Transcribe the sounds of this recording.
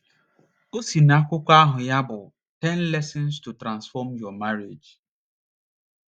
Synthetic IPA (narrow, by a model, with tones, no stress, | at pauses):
o˦si˨na˦kʷʊ˦kʷa˦ɦʊ˨ja˦bʊ˨ | tɛ˦n˦lɛ˦sɪ˦nstu˨tɾã˨nsfɔ˦mjɔ˨ma˦ɾe˨d͡ʒ